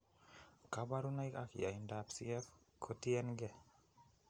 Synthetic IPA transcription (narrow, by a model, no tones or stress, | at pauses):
kabaɾunajka̰kḭaindapsḭɛf | kʰot̪iɛnɡɛ